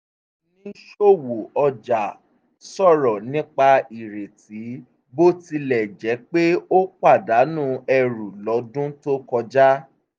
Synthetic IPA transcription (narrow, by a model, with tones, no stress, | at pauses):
nĩ˦ʃo˦˨wo˨ɔ˧d͡ʒa˨ | sɔ˦˨ɾɔ˨nĩ˦k͡pa˧i˨ɾe˨ti˨˦ | bo˦ti˧lɛ˨d͡ʒɛ˨˦k͡pe˦o˦k͡pa˦˨da˨˦nũ˦ɛ˧ɾu˨lɔ˨˦dũ˦to˦kɔ˧d͡ʒa˦